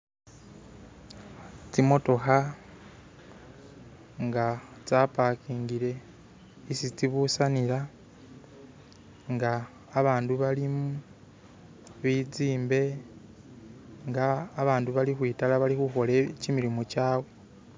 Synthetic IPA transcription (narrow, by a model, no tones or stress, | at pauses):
t͡simo̞to̞xa | ŋɡat͡sapakiːŋɡiɾe̞ | isit͡siβusanila | ŋɡaː | βaːnduβalimu | βid͡ziːmbe̞ | ŋɡaːβaːnduβalixwiːtalaβalixuxo̞le̞cimiɾimucaːwe